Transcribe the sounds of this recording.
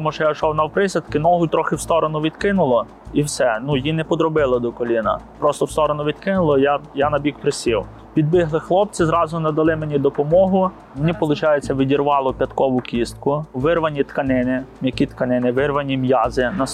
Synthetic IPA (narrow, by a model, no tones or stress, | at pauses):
t̪ɔmuʃt͡ʃɔjaʃɔwnɐwpɾɪsʲɐt̪kɪnɔɦʊjt̪ɾɔxɪwst̪ɔɾɔnʊʋʲid̪kɪnʊlˠɔ | iwsɛnujinɛpɔd̪ɾɔbɪlˠɐd̪ɔkɔlʲinɐ̰pɾɔst̪ɔwst̪ɔɾɔnʊʋʲid̪kɪnʊlˠɔjajanɐbʲikpɾɪsʲiw | pʲid̪̚bɪɦlˠɪxlˠɔp̚t͡sʲɪzɾɑzʊnɐd̪ɐlˠɪmenʲid̪ɔpɔmɔɦʊ | menʲipɔlˠʊt͡ʃɑjet͡sʲːɐʋʲidʲirʋɑlˠɔpʲjɐt̪kɔʋʊkʲist̪̚kʊʋɪrʋɐnʲit̪kɐnɪnɪmjɐkʲit̪kɐnɪnɪʋɪrʋɐnʲimjɑzɪnɐ